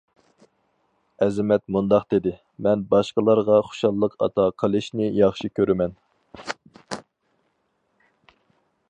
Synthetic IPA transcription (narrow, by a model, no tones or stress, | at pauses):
ɛzɪmɛt̪mund̪ɑqd̪̥ɪd̪ɪ | mɛnbɑʃqəlˠɑɾʁɑχo̥ʃɑlˠːəqʰɑ̰t̪ʰɑqʰəlˠɨʃnɪjɑχʃikʲʰøɾɪmɛn